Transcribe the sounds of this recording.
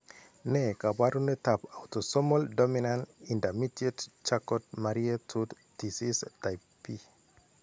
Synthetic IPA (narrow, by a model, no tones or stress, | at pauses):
nekabaɾunetapawtɔsɔmɔldɔminãnĩndamitiett͡ʃakɔt̚maɾiatʰud | disistaj | pi